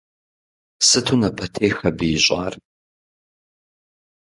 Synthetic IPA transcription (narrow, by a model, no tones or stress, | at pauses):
sɨtʰuːnɐpʰɐtʰeːxɐbɨjɪɕʼa̰ːr